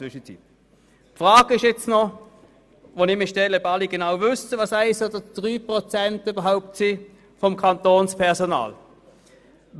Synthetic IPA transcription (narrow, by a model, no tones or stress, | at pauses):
ʏʃət͡sḭp | fʁaːɡ̥əɪʃjɛt͡snɔ | vonɪmɪʃtɛləœbɑliɡənaʊvʏstəvɑːsæɪsoːdəd̥ʁyːpʁot͡sɛntybɐɦaʊp̚tsi | fɔmkʰɑntoːnspʰɛɐsona̰ːl